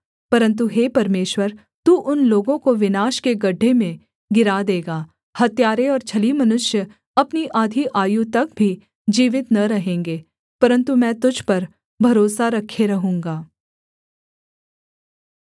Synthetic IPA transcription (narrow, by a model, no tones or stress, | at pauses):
pɐɾə̃nt̪̬uɦeːpɐɾmeːʃwəɾ | t̪uːʔʊnloːɡõkoʋɪnaːʃkeɡɐɖʱːemẽ | ɡɪɾad̪eːɡaː | hɐt̪jaːɾeɔːɾt͡ʃʰɐlimɐnʊʃjə | ɐpniʔaːd̪ʱiʔaːjut̪ɐk̚bʱi | d͡ʒiːʋɪt̪nɐɾɐɦẽːŋɡeː | pɐɾə̃nt̪umɛ̃ːt̪ʊd͡ʒʱpɐɾ | bʱɐɾoːsaɾɐkʰːeɾɐɦũːŋɡaː